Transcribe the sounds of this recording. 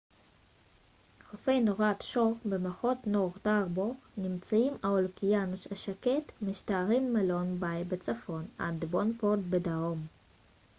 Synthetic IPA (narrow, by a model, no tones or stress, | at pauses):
χofejnoʁat̪ʃoʁbemaχotnoʁt̪aʁbonimt͡saimaolkijanʃaʃaketmiʃtaːʁimːelo̞nbajbet͡safo̞na̰dbonfot̪̚bedaom